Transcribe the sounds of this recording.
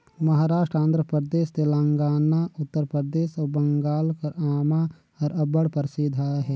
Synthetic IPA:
mɐɦaːɾaːʃʈɾãːnd̪ɾəpəd̪eːst̪elãːŋɡaːnaʊt̪ːəɾpɾəɾd̪eːʃɔɾbə̃ŋɡaːlkɐɾaːma | ɔɾɐbəɽpəɾsid̪ʱaɦɛː

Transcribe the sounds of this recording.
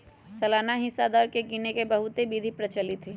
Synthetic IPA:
sɐlaːnaɦɪsad̪ɔːɾkekiːnekebɐɦʊt̪ebiːd̪ʱipɾɐt͡ʃəlɪt̪ʰɦiː

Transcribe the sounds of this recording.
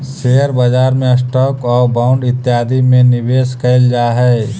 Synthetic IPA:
seːəɾbəd͡ʒaːɾmẽəsʈɔːkɔːɾbãʊ̃ɳɖɪt̪ːjaːd̪imẽnɪʋeːskɐɪld͡ʒaːɦɛː

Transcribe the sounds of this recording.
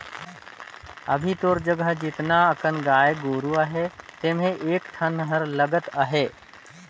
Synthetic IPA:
əbʱit̪oːɾd͡ʒəɡəɦd͡ʒɪt̪naəkənɡaːjeɡoːɾuəɦet̪eːmẽʔeːkʈʰənɦəɾləɡət̪əɦeː

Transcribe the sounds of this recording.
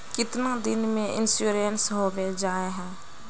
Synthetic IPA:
kɪt̪nãːd̪ɪnmẽʔɪ̰nsuːɾijənsɦoːʋed͡ʒaːeɦɛ̃ː

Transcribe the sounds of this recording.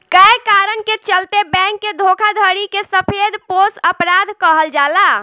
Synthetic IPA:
kəkaɾənket͡ʃəlt̪ebɛ̃ŋkːed̪ʱokʰad̪ʱəɾikesəpʰed̪ʱposəpɾad̪ʱkəɦəld͡ʒala

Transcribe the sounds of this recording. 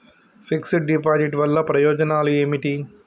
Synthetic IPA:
pʰiksiʈ̚ɖipaːd͡ʒiʈʋɐlːɐpɾɐjɔːd͡ʒɐnaːlueːmiʈi

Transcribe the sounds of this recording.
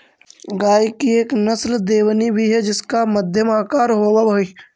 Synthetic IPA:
ɡaːikieːknəsld̪eːwnibʱiɦɛd͡ʒɪskaməd̪ʱjəmaːkaːɾɦoːwaboi

